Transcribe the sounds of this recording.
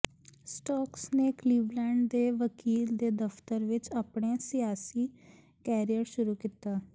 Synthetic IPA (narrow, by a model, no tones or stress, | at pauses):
sʈɔːksneːkliːʋlɛːɳɖd̪eːʋəkiːld̪eːd̪əft̪əɾʋɪt͡ʃaːpɳeːsɪjaːsiː | kɛːɾijəɾʃʊɾuːkiːt̪aː